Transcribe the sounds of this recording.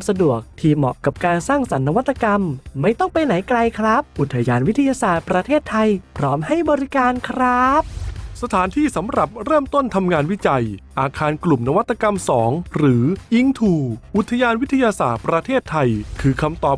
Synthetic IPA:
msa˧du˨˩ək̚t̪ʰiː˧˩mɔ̰˨˩ʔka˨˩p̚kaː˧nsaː˥˩ŋsa˩˦nːa˧wa˦˥t̪ʰːa˧ka˧mːa˥˩jt̪ɔ˥˩ŋpa˧jna˩˦jkɾa˧jkʰɾa˦˥p̚ʔu˨˩t̪ʰːa˧jaː˧nwi˦˥t̪ʰa˧jaː˧saː˨˩t̪̚pɾa˧t̪ʰeː˥˩t̪ʰːa˧jpʰɾɔː˦˥mha˥˩jbɔː˧ɾi˦˥kaː˧nkʰɾa˦˥p̚sa˧t̪ʰaː˩˦nt̪ʰiː˥˩sa˩˦mɾa˨˩p̚ɾɤː˥˩mt̪o˥˩nt̪ʰa˧mŋaː˧nwi˦˥t͡ɕa˧jʔaː˧kʰaː˧nklu˨˩mna˦˧wa˦˥t̪ːa˧ka˧msɔː˩˦ŋɾɯː˩˦ʔi˦˥ŋt̪ʰuː˧ʔu˨˩t̪ʰːa˧jaː˧nwi˦˥t̪ʰːa˧jaː˧saː˨˩t̪̚pɾa˧t̪ʰeː˥˩t̪ʰːa˧jkʰɯː˧kʰa˧mt̪ɔː˨˩

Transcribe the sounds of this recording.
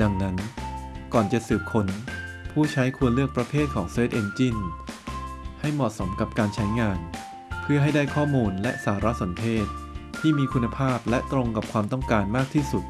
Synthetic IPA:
da˧ŋna˦˥nkɔː˨˩nt͡ɕa˨˩ʔsɯː˨˩p̚kʰo˧n | pʰuː˥˩t͡ɕʰa˦˥jkʰu˧ənlɯ˥˩ək̚pɾa˧pʰeː˥˩t̪̚kʰɔː˩˦ŋseː˦˥˩t̪̚ʔe˧nt͡ɕi˥˩n | ha˥˩jmɔ˨˩ʔso˩˦mka˨˩p̚kaː˧nt͡ɕʰa˦˥jŋaː˧n | pʰɯ˥˩ɐɦa˥˩jdaː˥˩jkʰɔː˥˩muː˧nlɛ˦˥ʔsaː˩˦ɾa˦˥so˩˦npʰeː˥˩t̪̚ʰːiː˥˩miː˧kʰu˧nːa˧pʰaː˥˩p̚lɛ˦˥ʔt̪ɾo˧ŋka˨˩p̚kʰwaː˧mt̪ɔ˥˩ŋkaː˧nmaː˥˩k̚t̪ʰiː˥˩su˨˩t̪̚

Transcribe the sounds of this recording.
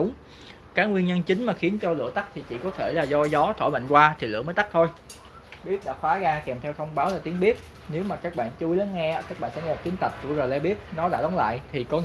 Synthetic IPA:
ʊ˨˦ŋ͡m | kaː˨˦˥ŋwi˧ənɲə˧nt͡ɕï˨˦ŋ̟maː˨˩xi˨˦ənt͡ɕɔ˧lɨ̰˧˨ət̪a˦˥k̚t̪ʰi˨˩t͡ɕḭ˧˨kɔ˨˦t̪ʰe˧˩laː˨˩zɔ˧zɔ˨˦t̪ʰo˧˩jɓə̰˧˨ŋ̟kwaː˧t̪ʰi˨˩lɨ̰˧˩əməː˨˦jt̪a˦˥k̚t̪ʰo˧j | ɓi˦˥əp̚ɗa̰ː˧˥xwaː˨˦ɣaː˧kɛ˨˩mt̪ʰɛ˧wt̪ʰə˧wŋ͡mɓaː˨˦wlaː˨˩t̪i˨˦ənɓi˦˥ət̚ | ne˨˦wmaː˨˩kaː˦˥k̚ɓa̰ː˧˨nt͡ɕu˧jla˨˦nŋɛ˧aː˨˦kaː˦˥k̚ɓa̰ː˧˨nsɛ̰˧˥ŋ̚˧˨˩t̪i˨˦ənt̪ə˨˩t̚zṵ˧˩zo˨˩lɛ̰˧ɓi˦˥ət̚nɔ˨˦ɗa̰ː˧˥ɗɔ˨˦wŋ͡mla̰ː˧˨jt̪ʰi˨˩kɔ˨˦

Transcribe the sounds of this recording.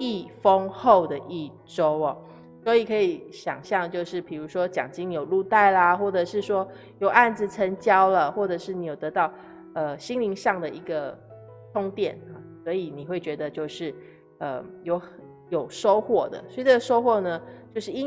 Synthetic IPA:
i˥˩fə˦ŋxo˥˩ʊd̪ə˩ʔi˥˩ | ʈ͡ʂo˥ʊɐ˨˩ | swɔ˧˥i˨˩kʰɤ˧˥i˨˧˦ɕjɑ̰˨˩ŋɕjɑ˥˧ŋt͡ɕjo˥˧ʊʂɻ̩˥˩pʰi˨˩ɻu˧˥ʂwɔ˥t͡ɕjɑ̰˨˩ŋt͡ɕi˥ŋni˧˥jo˨˩ʊlu˥˧t̪a˥˩ɪla˧xwɔ˥˩ʈ͡ʂɤ˨˩ʂɻ̩˥˩ʂwɔ˥ | jo˨˩ʊʔa˥˩nd͡zɹ̩˨˩t͡sʰə˧˥nt͡ɕjɑ˥ʊlə˨xwɔ˥˩ʈ͡ʂɤ˨˩ʂɻ̩˥˩ni˧˥jo˨˩ʊt̪ɤ˧˦˥t̪ɑ˥˩ʊ | ə˧ɕi˥ŋli˧˥ŋʂɑ˥˩ŋd̪ə˨i˧˥ɡə˧ | t̪ʰʊ˥ŋt̪jɛ˨˩na˨˩swɔ˧˥i˨˦ni˨˩xwe˥˩ɪt͡ɕɥɛ˧˥d̪ə˧t͡ɕjo˥˧ʊʂɻ̩˥˩ | ə̰˧jo˧˥ʊ | jo˨˩ʊʂo˥ʊxwɔ˥˩d̪ə̰˩swɔ˧˥˧t͡sə˥˩ɡə˨˩ʂo˥ʊxwɔ˥˩nə˩t͡ɕjo˥˧ʊʂɻ̩˥˩i˥

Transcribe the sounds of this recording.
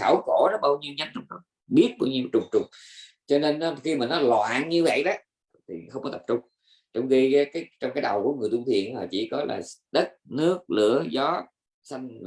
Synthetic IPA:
xaː˧˩wxo˧˩nɔ˦˥ɓaː˧wɲi˧əwɲə˨˦nɔ˧wŋ͡mnɔ˨˦ | ɓi˦˥ət̚ɓaː˧wɲi˧əwt͡ɕʊ˨˩ŋ͡mt͡ɕʊ˨˩ŋ͡mt͡ɕɔ˧ne˧n˨˦xi˧maː˨˩nɔ˨˦lwaː˧˨nɲɨ˧və̰˧˨jɗɔ˨˦ | t̪ʰi˨˩xə˧wŋ͡mkɔ˨˦t̪ə˨˩p̚t͡ɕʊ˧ŋ͡m | t͡ɕɔ˧wŋ͡mɣi˧˨˦kaː˨˦jt͡ɕɔ˧ŋ͡mkaː˨˦jɗa˨˩wku˧˩əŋɨ˨˩əjt̪u˧t̪ʰḭ˧˨ənlaː˨˩t͡ɕḭ˧˩kɔ˨˦la̰ː˨˩ɗə˦˥t̚nɨ˦˥ək̚lɨ̰˧˩˥əzɔ˨˦ | sa˧jŋ̟˨

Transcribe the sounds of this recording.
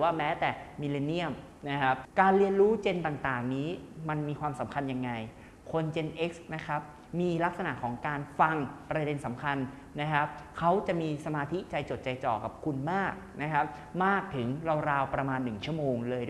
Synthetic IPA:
waː˥˩mɛː˦˥t̪ɛː˨˩mi˧le˧ni˥˩əm | na˦˥kʰa˦˥p̚kaː˧nli˧ənɾuː˦˥t͡ɕe˧nt̪aː˨˩ŋt̪aː˨˩ŋniː˦˥ma˧nmiː˧kʰwaː˧msa˩˦mkʰa˧nja˧ŋːa˧j | kʰo˧nt͡ɕe˧nʔe˦˥k̚sna˦˥kʰa˦˥p̚ | miː˧la˦˥k̚sa˧na˨˩ʔkʰɔː˩˦ŋkaː˧nfa˧ŋpɾa˧de˧nsa˩˦mkʰa˧n | na˦˥kʰa˦˥p̚kʰa˦˥wt͡ɕa˨˩ʔmiː˧sa˧maː˧t̪ʰi˦˥t͡ɕa˧jt͡ɕo˨˩t̪̚t͡ɕa˧jt͡ɕɔː˨˩ka˨˩p̚kʰu˧nmaː˥˩k̚na˦˥kʰa˦˥p̚ | maː˥˩k̚t̪ʰɯ˩˦ŋɾa˧wɾaː˧wpɾa˧maː˧nːɯ˨˩ŋt͡ɕʰu˥˩əmoː˧ŋlɤː˧jd

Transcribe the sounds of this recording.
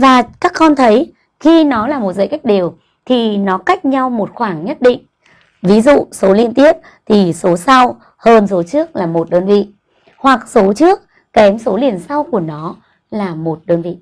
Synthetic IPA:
vaː˨˩kaː˦˥kːɔ˧nt̪ʰə˨˦j | xi˧nɔ˨˦laː˨˩mo˨˩t̚zə̰˧˨jka˦˥jk̚ɗi˨˩əw | t̪ʰi˨˩nɔ˨˦ka˦˥jk̟̚ɲa˧wmo˨˩t̚xwaː˧˩ŋɲə˦˥t̚ɗḭ˧˨ŋ̟ | vi˨˦zṵ˧˨so˨˦li˧ənt̪i˦˥əp̚ | t̪ʰi˨˩so˨˦sa˧w | həː˧nso˨˦t͡ɕɨ˦˥ək̚laː˨˩mo˨˩t̚ɗəː˧nvḭ˧˨ | hwa˨˩k̚so˨˦t͡ɕɨ˦˥ək̚ːɛ˨˦mso˨˦li˨˩ənsa˧wku˧˩ənɔ˨˦ | laː˨˩mo˨˩t̚ɗəː˧nvḭ˧˨

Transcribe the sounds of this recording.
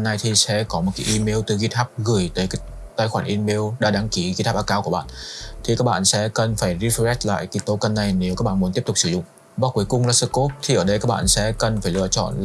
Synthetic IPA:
na˨˧jt̪ʰi˨˩sɛ̰˧˥kɔ˨˦mo˨˩t̚ka˨˦ʔi˧me˧əwt̪ɨ˨˩ɣi˧t̪ʰaː˦˥p̚ɣɨ˧˩əjt̪əː˨˦jkaː˨˦˥ | t̪aː˧jxwaː˧˩nʔi˧me˧əwɗa̰ː˧˩ɗaː˨˦ŋki˨˦ɣi˧t̪ʰa˦˥p̚ʔːkaː˧˦ku˧˩əɓa̰ː˧˨nt̪ʰi˨˩kaː˦˥k̚ɓa̰ː˧˨nsɛ̰˧˦kə˨˩nfaː˧˩jzi˧˦˥fzɛ˦˥t̚la̰ː˧˨jki˨˦t̪o˧kə˧nːa˨˩jne˨˦wkaː˦˥k̚ɓ̰ːmu˨˦nt̪i˦˥p̚tʊ˨˩k͡p̚sɨ˧˩zʊ̰˧˨ŋ͡m | ɓaː˨˦˥kwi˨˦əjkʊ˧ŋ͡mlaː˨˧˥sɨ˧˩ko˦˥p̚t̪ʰi˨˩ʔəː˧˩ɗə˧jkaː˦˥k̚ɓa̰ː˧˨sɛ̰˧˥kə˨˩nfaː˧˩jlɨ̰˧˨ət͡ɕɔ̰˧˨nl

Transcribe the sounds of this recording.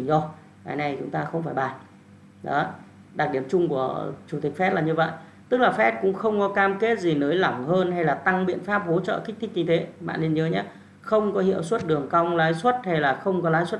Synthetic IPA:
zɔ˧ | kaː˨˦jna˨˩jt͡ɕʊ˨˦ŋ͡mt̪aː˧xə˧wŋ͡mfaː˧˩jɓaː˨˩ | ɗɔ̰˨˦ | ɗa˨˩ɗi˧˩əmt͡ɕʊ˧ŋ͡mku˧˩ət͡ɕʊ˨˧˩t̪i̟˨˩fɛ˦˥t̚laː˨˩ɲɨ˧və̰˧˨j | t̪ɨ˦˥k̚laː˨˩fɛ˦˥t̚kʊ̰˧˥ŋ͡mxə˧wŋ͡mkɔ˨˦kaː˧mke˦˥t̚zi˨˩nəː˨˦jla˧˩ŋhəː˧nha˧jlaː˨˩t̪a˧ŋɓḭ˧ənfaː˦˥p̚ho˨˦t͡ɕə̰ː˧˨xï̟˦˥t̪ʰï˦˥k̚ɲɨ˧t̪ʰe˨˦ma̰ː˧˨nle˧nɲəː˨˦ɲaː˨˧˦ | xə˧wŋ͡mkɔ˨˦ɦḭ˧˨əwswə˦˥t̚ɗɨ˨˩əŋka˧wŋ͡mlaː˨˦jswə˦˥t̚ha˧jlaː˨˩xə˧wŋ͡mk̬ɔ˨˦laː˨˦jswə˦˥t̚

